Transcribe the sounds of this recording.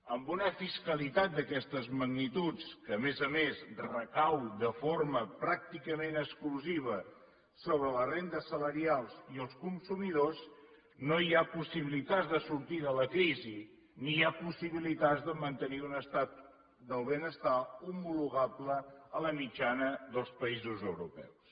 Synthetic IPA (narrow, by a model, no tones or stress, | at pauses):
əmbunəfiskəlit̪at̪̚d̪əkɛst̪əzməɡnit̪ut͡skəːmezəmesrəkawd̪əfoɾməpɾak̚t̪ikəmenəkskluziβ̞ə | soβ̞ɾələrend̪əsələɾialˠsiəlˠskunsumiðos | noiapusiβilit̪ad͡zðəsuɾt̪iðələkɾizi | niapusiβilit̪ad͡zzðəmənt̪əniunəst̪at̪ | d̪əlˠβenəst̪aumuluɣabləələmid͡ʒanəðəlˠspəizuzəwɾupɛ̰ws